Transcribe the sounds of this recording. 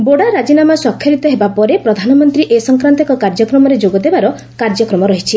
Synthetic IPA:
boɽaɾad͡ʒinamasɔkʰːjɔɾit̪ɔɦebapɔɾepɾɔd̪ʱanɔmɔnt̪ɾiʔesɔŋkɾant̪ɔkɔkaɾd͡ʒɔkɾɔmɔɾed͡ʒoɡɔd̪ebaɾɔ | kaɾd͡ʒɔkɾɔmɔɾɔɦit͡ʃʰi

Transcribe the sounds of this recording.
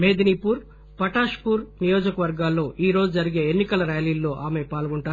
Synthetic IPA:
meːd̪inipuːɾ | pɐʈaːʂpuːɾnijo̞ːd͡ʒɐkɐʋɐɾɡaːlːo̞ːʔiːɾo̞ːd͡ʒud͡ʒɐɾiɡe̞ːenːikɐlɐɾjaːjliːlːo̞ːʔaːme̞paːlɡuɳʈaːɾ

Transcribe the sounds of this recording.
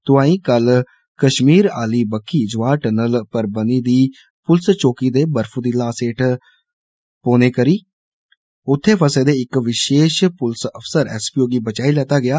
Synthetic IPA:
t̪ʊãːĩːkəl | kəʃmiːɾa̰ːliːbəkʰːiːd͡ʒʋaːʈənəlpəɾbəniːd̪iː | pʊlst͡ʃoːkiːd̪eːbəɾfʰuːd̪iːlaːseːʈʰ | poːneːkəɾiː | ʊt̪ʰːeːpʰəseːd̪eːɪkʋɪʃeːʃpʊlsəpʰsəɾɛ̰ːspijoːɡiːbət͡ʃaːiːlɛːt̪aːɡɪjaː

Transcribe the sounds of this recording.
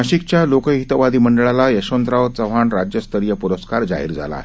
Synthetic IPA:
əɕikt͡ɕjalokəɦit̪ʋad̪iːməɳɖəɭalajəɕond̪ɾaʋt͡səʋ̤aɳɾad͡ʑjəst̪ʰəɾjəpuɾəskaɾd͡za̰ɦḭːɾd͡zʱa̰la̰e

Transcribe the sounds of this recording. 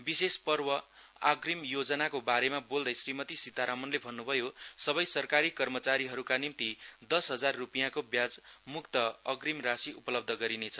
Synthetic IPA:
bisespʌrwʌ | a̰ɡrimjod͡zʌnakobaɾemabold̪ʌjsrimʌt̪isit̪aɾamʌnlebʱʌnːubʱʌjosʌβʌjsʌrkaɾikʌrmʌt͡saɾiɦʌɾukanimt̪id̪ʌsɦʌd͡zarːupijãkobjad͡zmukt̪ʌʌɡrimrasiupʌlʌb̚d̪ʱʌɡʌɾinet͡sʰʌ̥

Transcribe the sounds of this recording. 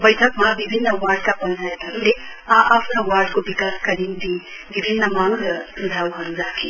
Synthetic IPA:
bɐjtʰɐk̚mɐbibʱinːɐwaɾd̚kapɐnzʰʱajt̪ʰɐmleaʔapʰnɐwaɾd̚kobikaskɐɾimti | bibʱinːɐmaŋɾɐdʱawɦɐnd͡ʒakʰi

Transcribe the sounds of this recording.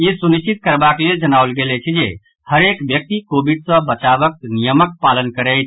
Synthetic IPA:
jisuniʃt͡ʃit̪̚kəɾbakleld͡ʒənawlɡelɛt͡ʃʰɛd͡ʒe | həɾekbjək̚t̪ikobiɖsə̃bət͡ʃabək̚nijəmək̚palənkəɾɛjt̪̚ʰ

